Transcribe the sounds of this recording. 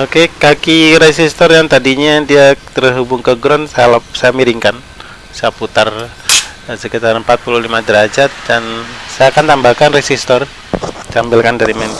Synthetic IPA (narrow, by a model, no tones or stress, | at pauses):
okekakiɾesist̪ɔrjaŋt̪adiɲadiat̪ərɦubʊŋkəɡɾɔnsaalap̚sajamiɾiŋkan | sajaput̪ar | səkit̪aɾmpat̪̚puluhlimadəɾad͡ʒat̪̚dansajakant̪ambakanresist̪ɔr | t͡ʃambɪlkandaɾimɛn